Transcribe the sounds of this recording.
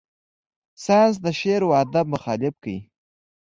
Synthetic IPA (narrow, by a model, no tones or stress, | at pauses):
sɑjɑns̬d̪əʃeɾwad̪ab̚mʊxɑlɪfkajḭ